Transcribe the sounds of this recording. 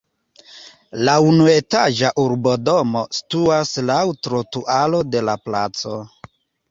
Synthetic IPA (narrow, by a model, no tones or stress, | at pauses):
launue̞taʒaʔuɾbo̞domo̞stuaslawtɾotuʔalo̞de̞lapla̰t͡so̞